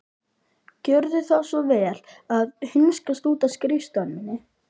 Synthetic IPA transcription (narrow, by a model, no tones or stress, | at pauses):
cœɾðʏθawsvɔvɛːlaðhɪnskast̪uːt̪askɾist̪œnmɪnːɪ